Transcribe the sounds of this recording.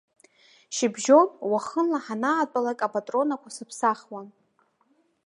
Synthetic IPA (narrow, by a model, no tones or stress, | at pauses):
ʃɪbʒo̞nwaχənlaħanaːtʼalakʼapatʼro̞nakʷʰasɨpʰsaχwan